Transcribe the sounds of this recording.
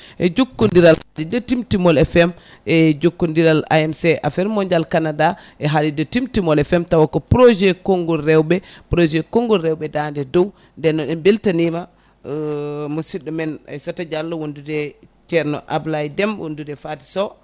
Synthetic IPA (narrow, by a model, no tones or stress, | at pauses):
ʔɛ̰d͡ʒokːundiɾaladidɔtimtimɔlɛfɛm | ɛd͡ʒokːundiɾala̰ɛmsɛʔa̰fɛɾmɔɲd͡ʒalkanadaʔɛɦalidɔtimtimɔlɛfɛmtawakːɔpɾɔd͡ʒɛkɔŋɡɔɾɛwbɛpɾod͡ʒɛkɔŋɡɔɾɛwbɛdandɛdɔw | ndɛnːɔɗɛmbeltanima | musiɗumɛna̰jsatad͡ʒalːɔwondudɛt͡ʃɛɾnɔ̰ʔablaidɛmwo̰ndudɛfati̥sɔ